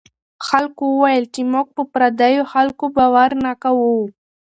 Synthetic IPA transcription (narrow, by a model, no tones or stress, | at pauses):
xalkowəwajəlt͡ʃemoɡ̚pəpɾad̪ajoxalkobawaɾnakawo